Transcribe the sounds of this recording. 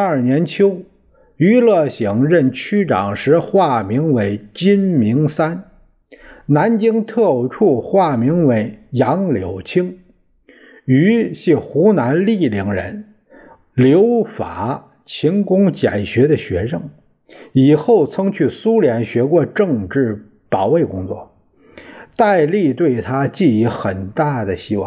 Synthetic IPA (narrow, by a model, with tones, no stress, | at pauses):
a˞˥˩njɛ˧˥nt͡ɕʰjo˥ʊ | y˧˥lɤ˥˩ɕi˧˥ŋɻə˥˩nt͡ɕʰy˥ʈ͡ʂɑ̰˨˩ŋʂɻ̩˧˥xwa˥˩mi˧˥ŋwe˧˥ɪt͡ɕi˥nmi˧˥ŋsa˥n | na˧˥nt͡ɕi˥ŋt̪ʰɤ˥˧ʈ͡ʂʰu˥˩xwa˥˩mi˧˥ŋwe˧˥ɪjɑ˧˥ŋljo˨˩ʊt͡ɕʰi˥ŋ | y˧˥ɕi˥˩xu˧˥na˧˥nli˥˩li˧˥ŋɻə̰˧˥n | ljo˧˥ʊfa̰˨˩˦ | t͡ɕʰi˧˥ŋkʊ˥ŋt͡ɕja˨˩ɪɕɥɛ˧˥d̪ə˧ɕɥɛ˧˥ʂɤ˥˩ŋ | i˨˩xo˥˩ʊt͡sʰɤ˥ŋt͡ɕʰy˥˩su˥ljɛ˧˥nɕɥɛ˧˥kwɔ˥˧ʈ͡ʂɤ˥˧ŋʈ͡ʂɻ̩˥˩ | pɑ˨˩ʊwe˥˩ɪkʊ˥ŋt͡swɔ̰˥˩ | t̪a˥˧ɪli˥˧t̪we˥˩ɪt̪ʰa˥t͡ɕi˥˩i˧˥xə˨˩nt̪a˥˩d̪ə˩ɕi˥wɑ̰˥˩ŋ